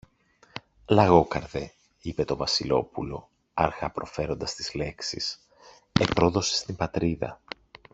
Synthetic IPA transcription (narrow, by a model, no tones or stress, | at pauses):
lɐɣo̞kɐ̰ɾðe | ipe̞t̪o̞vɐsilo̞̰pulo̞ | ɐɾxɐpɾo̞fe̞ɾo̞nd̪ɐst̪izle̞ksḭs | epɾo̞ðo̞sest̪imbɐt̪ɾiðɐ̰